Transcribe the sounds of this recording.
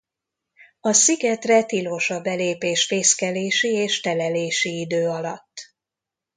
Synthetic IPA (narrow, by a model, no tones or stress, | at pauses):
ɒsiɡɛt̪rɛt̪iloːʃɒbɛleːpeːʃfeːskɛleːʃieːʃt̪ɛlɛleːʃiid̪øːɒlɒt̪ː